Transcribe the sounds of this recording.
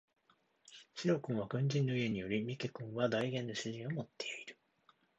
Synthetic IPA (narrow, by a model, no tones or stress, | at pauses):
ɕiɾo̞kɯ̃ɰ̃βakɯ̟̃ɲ̟d͡ʑĩnːo̞ie̞ɲ̟ijo̞ɾʲimʲike̞kɯ̟̃ɰ̃βad̪aiɡẽ̞nːo̞ɕɨʑĩɰ̃o̞mo̞t̪ːe̞iɾɯ̟̥